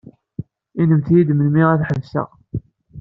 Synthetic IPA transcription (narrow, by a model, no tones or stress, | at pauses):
inəmθjid̪mənmiʁæθħəvsæ̰